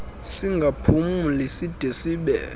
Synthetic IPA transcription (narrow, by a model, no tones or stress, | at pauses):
siŋɡʱapʰumulisid̥ʱesiɓɛ̰ː